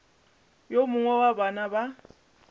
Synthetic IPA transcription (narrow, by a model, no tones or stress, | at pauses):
jomʊŋwɛwabanaba